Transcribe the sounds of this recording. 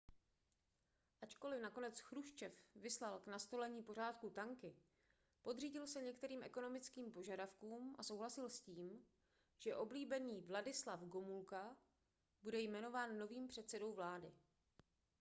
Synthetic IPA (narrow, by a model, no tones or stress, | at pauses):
ʔat͡ʃko̞lɪfnako̞nɛt͡sxɾuʃt͡ʃɛfvɪslalknast̪o̞lɛɲiːpo̞r̝aːt̪̚kut̪aŋkɪ | po̞d̪riːɟɪlsɛɲɛkt̪ɛɾiːmʔɛko̞no̞mɪt͡skiːmpo̞ʒadafkuːmʔa̰so̞wɦlasɪlsciːm | ʒ̥ɛʔo̞bliːbɛniːvladɪslafɡomulka | budɛjmɛno̞vaːnːo̞viːmpr̝̥ɛt̪t͡sɛdo̞wvlaːdɪ